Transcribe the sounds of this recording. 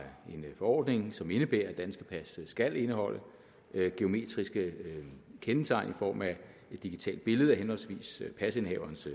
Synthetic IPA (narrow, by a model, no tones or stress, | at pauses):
e̝nfɒɒ̰ːd̥ne̝ŋsɒ̽me̝nəb̥eːɐæd̥ænsɡ̥əpʰæssɡ̥æle̝nəhɒ̽l̰ə | ɡ̥e̝o̝me̝̰ːd̥ʁisɡ̥ə | kʰenət͡sʰɑ̈ɪnʔifɒ̰ːmæ | e̝d̥ːiɡ̥it͡sʰɛ̰ːld̥̚b̥e̝ləð̞̩ˠæɦenhɒ̽lsʋḭːspʰæse̝nɛʊɐns